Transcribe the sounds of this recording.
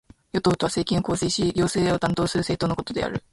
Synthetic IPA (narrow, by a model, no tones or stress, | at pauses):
jo̞t̪oːt̪o̞βase̞ːkʲĩo̞koːsiːɕiɡʲo̞ːse̞ːd̪eo̞t̪ãnt̪o̞ːsɨɾɯ̟seːt̪oːnokot̪od̪e̞̰a̰ɾɯ̟